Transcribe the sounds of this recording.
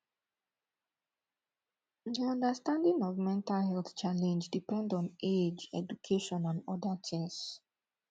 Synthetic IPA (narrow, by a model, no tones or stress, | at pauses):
ðiɔ̃ndəstãndĩŋɔvmɛ̃ntalhɛlθt͡ʃalɛ̃nd͡ʒdipɛ̃ndɔ̃ned͡ʒɛ̰d͡ʒukʰeʃɔ̃nãnɔdatʰɛ̃s